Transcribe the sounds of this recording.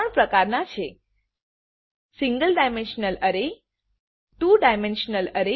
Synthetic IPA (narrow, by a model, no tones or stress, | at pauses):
əɳpɾəkaɾnat͡ʃʰe | siŋɡəlɖajmẽnʃnələɾe | tũɖajmẽnʃnələɾe